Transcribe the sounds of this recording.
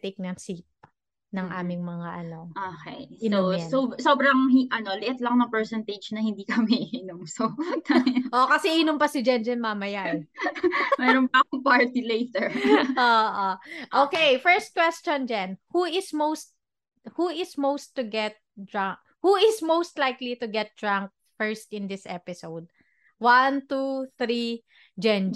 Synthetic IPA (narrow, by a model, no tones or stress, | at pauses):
t̪ek̚nɐŋsip̚ | nɐŋʔa̰ːmɪŋmɐŋaʔɐnoʔokɛ̰jsososoːbɾɐŋhɪʔɐnolɪʔɪt̪lɐŋnɐŋpɛɹsɛnt̪ed͡ʒnɐhɪnd̪iːkɐmiʔɪʔɪnomso | ʔokɐsɛʔʔɪnʊmpɐsɪd͡ʒɐnd͡ʒɐnmɐmɐjaʔɛ | mɛɾonpɐkʊŋpaɹt̪ilejt̪ɛɹʔoːʔoʔoːkejfɛɹst̪̚kwɛst͡ʃɔnd͡ʒɐnhuɪsmowst̪̚ | huɪsmowst̪ːʊɡɛt̪̚d̪ɹaŋ̚ | huɪsmowst̪lajklit̪ʊɡɛt̪̚d̪̥ɹaŋk̚ | fɛɹst̪ɪnd̪ɪsʔɛpɪsowd̪̚ | want̪uθɾi | d͡ʒɛn